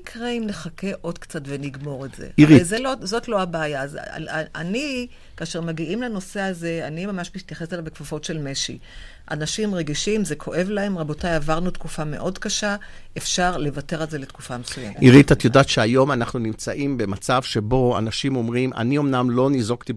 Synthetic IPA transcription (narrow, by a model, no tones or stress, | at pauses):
kʁeimne̞χake̞ʔo̞dkt͡satve̞niɡmo̞ʁetz̥ḛiʁizelozo̞tlo̞abaːjaz̰a̰ni | kaːʃeʁmaɡiʔimlano̞se̞aze̞animamaʃmit̪jaχe̞salavbekfofo̞tʃe̞lmeʃḭ | ʔa̰naʃimʁe̞ɡiʃimze̞kʰo̞ʔe̞vlae̞mʁabo̞tajavaʁnutkufame̞̰ʔo̞dkaʃaefʃaʁle̞vate̞ʁalze̞letku̥famesuja̰metiʁit̪at̪jodaːt̪ʃeajo̞manaχnunimt͡saʔimbe̞mat͡savʃebo̞a̰naʃimo̞mʁima̰nio̞mnamlo̞nizoɡt̪i